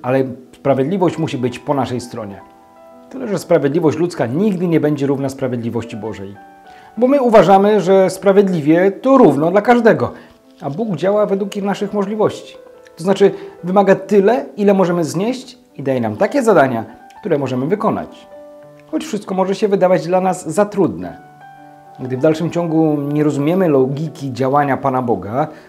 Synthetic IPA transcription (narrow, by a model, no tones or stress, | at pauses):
alɛspɾavʲjed̪lʲivɔɕt͡ɕmuɕibɘt͡ɕpɔnaʂɛjst̪ɾɔɲɛ̰ | t̪ɘlɛʐɛspɾavʲjɛd̪lʲivɔɕt͡ɕlut̪skaɲiɡd̪ɘɲɛbɛɲd͡ʑɛɾuvnaspɾavʲjed̪lʲivɔɕt͡ɕibɔʐɛ̰j | bɔmɘuvaʐamɘʐɛspɾavʲjɛd̪lʲivʲjɛt̪ɔɾuvnɔd̪lakaʐd̪ɛɡɔ | abuɡd͡ʑawavɛd̪wukixnaʂɘxmɔʐlʲivɔɕt͡ɕi̥ | t̪ɔznat͡ʂɘvɘmaɡat̪ɘlɛilɛmɔʐɛmɘzɲɛɕt͡ɕ | id̪ajɛnamt̪akʲɛzad̪aɲa | kt̪uɾɛmɔʐɛmɘvɘkɔna̰t͡ɕ | xɔt͡ɕfʂɘst̪̚kɔmɔʐɛɕɛvɘd̪avad͡ʑd̪lanazːat̪ɾud̪nɛ̰ | ɡd̪ɘvd̪alʂɘmt͡ɕɔŋɡuɲɛɾɔzumʲjɛmɘlɔɡʲikʲid͡ʑawaɲapanabɔɡa